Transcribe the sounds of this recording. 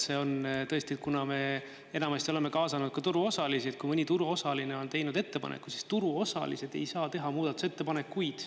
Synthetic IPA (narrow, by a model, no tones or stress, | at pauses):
se̞o̞nt̪ɤ̞esʲt̪iet̪̚kunɑme̞ | enɑmɑst̪io̞le̞me̞kɑːsɑnud̪̥̚kɑt̪uɾuo̞sɑlisid̪̥kujmɯnʲit̪uɾuo̞sɑlineo̞nt̪e̞jnud̪e̞t̪ːe̞pɑ̰nʔḛkːˑu̥si̥st̪uɾuosɑ̰lḭse̞d̪̥e̞̰jsɑːt̪e̞ɦɑmuːd̪ɑt̪ːˑu̥se̞t̪ːe̞pɑne̞kːujd̪̥